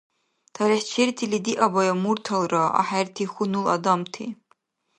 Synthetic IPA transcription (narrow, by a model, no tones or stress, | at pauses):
tʰaɾiħt͡ʃʰirtʰilidiʔabajamurtʰalraa̰ħartʰixʷunula̰damtʰḭ